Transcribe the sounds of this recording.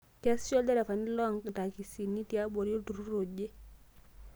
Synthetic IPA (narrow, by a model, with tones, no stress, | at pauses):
kɛ˦sɔ˦dɛ˦ɾɛ˨fa˨ni˦lɔ˦ŋkta˨ki˨si˨nːi˦ti˨a˦bɔ˨ɾi˦o˦tu˨ɾu˦ɾo˨ɟe˦